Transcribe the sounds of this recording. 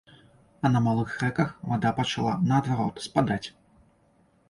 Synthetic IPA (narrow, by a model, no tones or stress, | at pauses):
ɐnɐmalˠɨxːɛkɐxvad̪apɐt͡ʃalˠa̰nɐːd̪vaɾɔt̪spad̪at͡sʲ